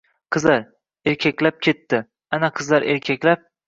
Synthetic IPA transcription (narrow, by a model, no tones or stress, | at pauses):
qʰɨzlaɾ | eɾkʲʰakʲlap̚kʲʰe̞t̪ʰːɪ | anaqʰɨzlaɾʔeɾkʲʰakʲlap̚